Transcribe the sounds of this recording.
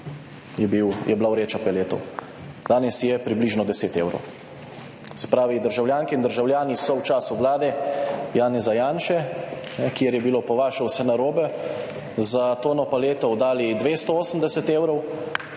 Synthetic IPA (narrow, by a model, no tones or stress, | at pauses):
jɛbiwjɛblawɾeːt͡ʃapɛleːt̪ɔ̰w | d̪̥aːnɛsjɛpɾibliːʒnɔd̪ɛseːt̪eːwɾɔ̰w | sɛ̥pɾaːʋid̪əɾʒawljaːŋkɛind̪əɾʒawljaːnisɔwt͡ʃaːsuʋlaːd̪ɛjaːnɛzajaːnʃɛnɛkjeɾjɛbilopɔʋaːʃɛwsɛnaɾoːbɛ | zat̪oːnɔpaleːt̪ɔwd̪aːlid̪ʋeːst̪ɔoːsəmd̪ɛsɛt̪eːwɾɔw